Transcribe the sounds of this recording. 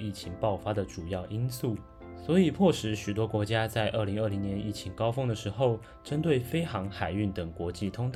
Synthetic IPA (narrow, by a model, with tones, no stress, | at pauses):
i˥˩t͡ɕʰi˧˥ŋpɑ˥˩ʊfa˥d̪ə˨ʈ͡ʂu˨˩jɑ˥˩ʊʔi˥nsu˥˩ | swɔ˧˥i˨˩pʰwɔ˥˩ʂɻ̩˧˥˦ɕy˨˩t̪wɔ˥kwɔ˧˥t͡ɕja˥t͡sa˥˧ɪʔə˥˩li˧˥ŋə˞˥˩li˧˥ŋnjɛ˧˦ni˥˩t͡ɕʰi˧˥ŋkɑ˥ʊfɤ˥ŋd̪ə˨ʂɻ̩˧˥xo˥˩ʊ | ʈ͡ʂə˥nt̪we˥˩ɪfe˥ɪxɑ˧˥ŋxa˨˩ɪy˥˩nt̪ə˨˩ŋkwɔ˧˥t͡ɕi˥˩t̪ʰʊ˥ŋt̪